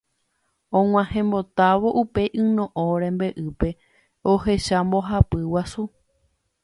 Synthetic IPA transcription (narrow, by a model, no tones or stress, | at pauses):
õŋ̃ʷãhẽ̞mbo̞t̪aʋo̞ʔupe̞jʔɨ̃nõʔõɾẽ̞mbeʔɨpe̞ | ohe̞ʃambo̞ɦapɨwasu